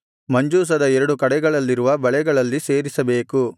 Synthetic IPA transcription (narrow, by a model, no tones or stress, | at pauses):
mɐɲd͡ʒuːs̬ɐd̪ɐɛɾɐɽukɐɽɛɡɐɭɐlːiɾuʋɐbɐɭɛɡɐɭɐlːise̞ːɾisɐbe̞ːku